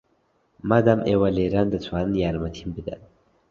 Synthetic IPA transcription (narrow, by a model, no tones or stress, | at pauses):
mad̪amʔewaleɾand̪ət͡sʰwaːnjaɾmat̪ʰimbid̪a̰n